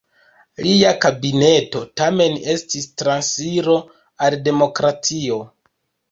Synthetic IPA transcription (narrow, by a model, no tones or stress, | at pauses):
liakabine̞to̞tame̞ne̞stistɾansiɾo̞ | alde̞mo̞kɾatio̞